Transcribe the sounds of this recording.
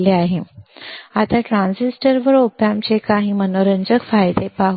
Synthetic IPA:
leaɦe | at̪aʈɾãnsisʈəɾʋəɾopjamt͡ɕekaɦimənoɾəɲd͡ʑəkfajd̪epaɦ

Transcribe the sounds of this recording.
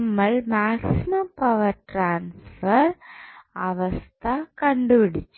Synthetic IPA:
mːɐɭmaːksɪmɐmpɐʋɐɾʈɾaːnsfɐɾɐʋɐst̪akɐɳɖɯʋɪɽɪt͡ʃːɯ

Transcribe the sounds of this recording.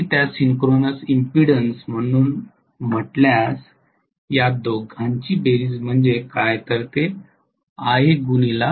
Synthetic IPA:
it̪jasiŋkɾonəsimpiɽənsm̤əɽ̃uːn | m̤əʈljas | jad̪oɡʱaɲt͡ɕiːbeɾiːd͡zm̤əɳd͡zekajt̪əɾt̪e | aɦeɡunila

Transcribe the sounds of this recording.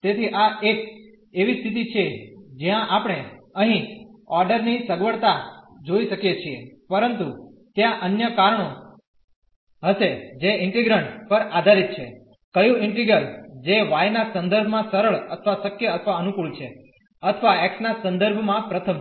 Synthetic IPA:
t̪et̪ʰiʔaek | eʋist̪ʰit̪̬it͡ʃʰed͡ʒjãʔapɽ̃eəɦĩɔɾɖəɾnisəɡʋəɭt̪a | d͡ʒoiʃəkjet͡ʃʰiepəɾənt̪ut̪jãʔənjəkaɾəɳo | ɦəʃed͡ʒeɪɳʈiɡɾəɳʈpəɾad̪ʱaɾit̪̚t͡ʃʰe | kəjũɪɳʈiɡəɾd͡ʒeʋajnasənd̪əɾbʱmãsəɾəɭət̪ʰəʋasəkjəːt̪ʰəʋaənukuɭt͡ʃʰe | ət̪ʰəʋaɛksnasə̃nd̪əɾbʱmãpɾət̪ʰəm

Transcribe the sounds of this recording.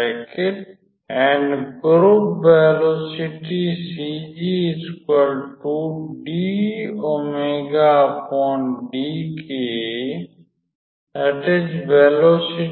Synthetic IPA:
keʈ | ɛ̃ɳɖɡɾupbeːloːsiʈisid͡ʒiskəlʈuːɖiomeɡapʰɔːɳɖike | əʈed͡ʒbeːloːsɪ

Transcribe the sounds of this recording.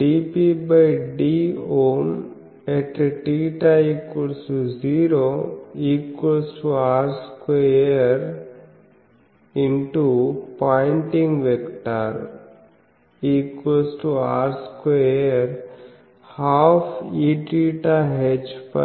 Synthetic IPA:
ɖipibajɖioːn | eʈʈiʈaikwəlsʈuziːɾoiːkwelsʈuaːɾskeəɾ | ɪ̃ɳʈupaɪ̃ɳʈĩŋɡʋekʈaɾ | iːkwəlsʈuaːɾskeəɾ | haːfiʈiʈaɦed͡ʒpɐ

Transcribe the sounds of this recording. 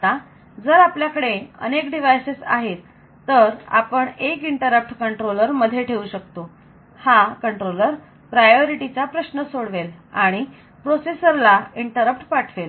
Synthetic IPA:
t̪a | d͡zəɾapljakəɽeə̰nekɖiʋajsesa̰ɦet̪ː | əɾa̰pəɳekiɳʈəɾəp̚ʈkəɳʈɾoləɾməd̪ʱːjeʈʰeuɕək̚t̪o | hakəɳʈɾoləɾ | pɾajoɾiʈit͡sapɾəɕnəsoɽʋelaɽ̃i | pɾosesəɾlaiɳʈəɾəp̚ʈpaʈʰʋel

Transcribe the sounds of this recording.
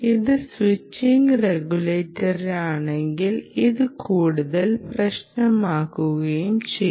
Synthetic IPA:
iðɨswit͡ɕːiŋɡreɡuleːtːɐraːɳeŋɡiliðɨkʰuːɽuðɐlprɐɕnɐmaːkːuɣɐjumt͡ɕej

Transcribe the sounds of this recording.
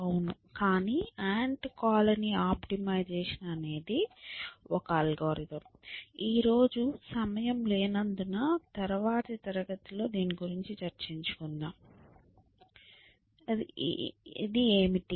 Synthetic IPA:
ɐwunu | kaːniːaːɳʈkaːlɐniaːpʈimɐjd͡ʒeːʂɐnɐːne̞ːd̪i | ɔkɐɐlɡoːɾit̪ɐmiːɾo̞ːd͡ʒusɐmɐjɐmle̞ːnɐnd̪unaːt̪ɐɾɐʋaːt̪ɐt̪ɐɾɐɡɐt̪ulo̞ːd̪iːniɡuɾiɲt͡ʃit͡ʃɐɾt͡ʃiɲt͡ʃu̥kund̪aːm | ḭd̪ieːmiʈi

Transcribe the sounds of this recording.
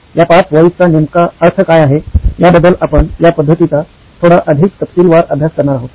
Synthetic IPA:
japat͡sʋəjt͡sanemkaəɾt̪ʰəkajaɦejabəd̪əlapəɳjapəd̪ʱːət̪it͡sa | t̪ʰoɽaʔəd̪ʱik̚t̪əpt̪iːlʋaɾabʱjaskəɾɳaɾaɦot̪

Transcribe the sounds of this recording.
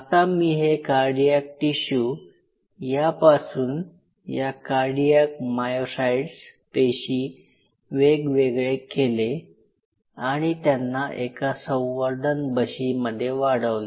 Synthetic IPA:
at̪amiːɦekaɾɖijak̚ʈiɕuː | japasuːn | jakaɾɖijak̚majosaiɽspeɕiː | ʋeɡʋeɡɭekele | aɽ̃it̪janːaʔekasə̃w̃ʋəɾd̪ʱənbəɕiməd̪ʱːjeʋaɽəʋle

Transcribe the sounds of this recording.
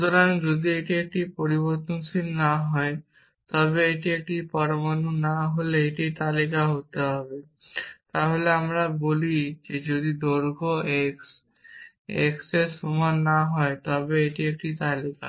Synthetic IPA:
ɦt̪ɔɾand͡ʒod̪ieʈiek̚ʈipɔɾibɔɾt̪ɔnsinnaɦɔe | t̪ɔbeːʈiek̚ʈipɔɾmanunaɦoleeʈit̪alikaɦot̪eɦɔbe | t̪aɦoleamɾabolid͡ʒed͡ʒod̪id̪oɾɡʱoeks | eksesumɔnnːaɦɔet̪ɔbeːʈiek̚ʈit̪alika̰

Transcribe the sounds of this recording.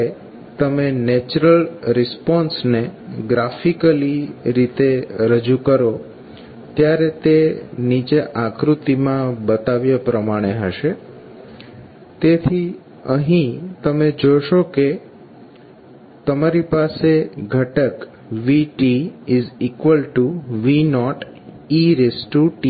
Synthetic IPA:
e | t̪əmenet͡ʃɾəlɾɪspɔnsneɡɾafikəliɾit̪eɾəd͡ʒukəɾo | t̪jaɾet̪enit͡ʃeʔãkɾut̪imãbət̪aʋjəpɾəmaɽ̃eɦəʃe | t̪et̪ʰi | əɦĩt̪əmed͡ʒojʃoke | t̪əmaɾipaseɡʱəʈək | ʋiʈiizikʋəlʈuʋinɔʈ | iɾesʈuʈi

